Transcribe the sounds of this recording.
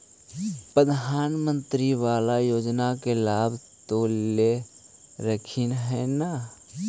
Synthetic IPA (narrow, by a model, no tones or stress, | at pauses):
pɾəd̪ʱaːnmə̃nt̪ɾiʋaːlajoːd͡ʒnakelaːb | t̪ole | ɾəkʰinɦɛna